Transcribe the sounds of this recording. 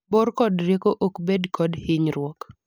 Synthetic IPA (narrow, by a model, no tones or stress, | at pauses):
boɾkɔdrjekoʔokbedkɔdhɪɲɾwɔk